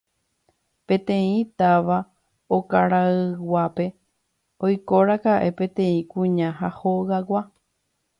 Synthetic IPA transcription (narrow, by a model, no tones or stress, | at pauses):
pẽ̞t̪ẽ̞ĩt̪aʋa | okaɾaɨwʷape̞ | ojko̞ɾakaʔe̞pẽ̞t̪ẽ̞ĩkũɲãɦahoɣawa